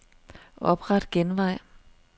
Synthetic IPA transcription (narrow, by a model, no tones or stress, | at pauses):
ɒ̽b̥ʁad̥ɡ̥enʋɑ̈ɪ̰